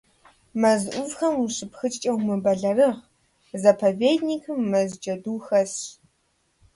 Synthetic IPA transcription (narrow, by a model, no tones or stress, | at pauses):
mɐzʔʷʊvxɐmuɕɨpxɨt͡ʃʼt͡ʃʼɐwmɨbɐɮɐrɨʁ | zɐpʰɐveːdniːkʰɨmːɐzd͡ʒɐduːxɐs